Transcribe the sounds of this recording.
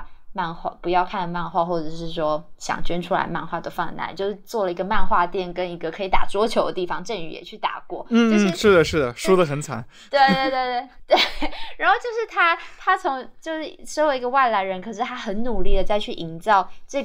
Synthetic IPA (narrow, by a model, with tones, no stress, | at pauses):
ma˥˧nxwa̰˥˩pu˧˥jɑ˥˧ʊkʰa˥˩nd̪ma˥˧nxwa˥˧xwɔ˥˩ʈ͡ʂɤ˨˩ʂɻ̩˥˩ʂwɔ˥ɕjɑ̰˨˩ŋt͡ɕɥɛ˥nʈ͡ʂʰu˥la̰˧˥ɪma̰˥˧nxwa˥˩t̪o˥ʊfɑ˥˩na̰˧˥nt͡ɕjo˥˧ʂɻ̩˥˧˩t͡swɔ˥˩lə˩i˧˥ɡə˧ma˥˧nxwa˥˧t̪jɛ˥˩nkə˥ni˧˥ɡə˧kʰɤ˧˥i˧˥t̪a̰˨˩t͡swɔ˥t͡ɕʰjo˧˥ʊd̪ə˧t̪i˥˩fɑ˧˥ŋʈ͡ʂə˥˧˩ŋy̰˨˩jɛ̰˨˩t͡ɕʰy˥˩t̪a̰˨˩kwɔ˥˩n̩˥˩˥ʂɻ̩˥˩d̪ə˩ʂɻ̩˥˩d̪ə˩ʂu˥d̪ə˨xə˧˩nt͡sʰa̰˧˥˦n | t̪we˥˧ɪt̪we˧t̪we˥˧ɪt̪we˥˩ɪt̪we˥˩ɻa˨˥nxo˥˧ʊt͡ɕjo˥˧ʊʂɻ̩˥˩t̪ʰa˥t̪ʰa˥t͡sʰʊ˧˥ŋt͡ɕjo˥˧ʊʂɻ̩˥˩ʂo˥jʊi˧˥ɡə˧wa˥˩ɪla˧˥ɪɻə˧˥nkʰɤ˨˩ʂɻ̩˥˧t̪ʰa˥xə˧˥nnu˨˩li˥˩d̪ə˩t͡sa˥˧ɪt͡ɕʰy˥˩ʔi˧˥nt͡sɑ˥˧ʊʈ͡ʂɤ˥˩